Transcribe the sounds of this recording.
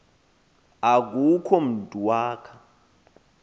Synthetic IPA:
ak̬ukʰɔm̩dʱuwaːkʰḁ

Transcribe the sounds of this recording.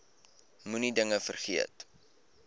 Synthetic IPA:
munidəŋəfərχiə̰t

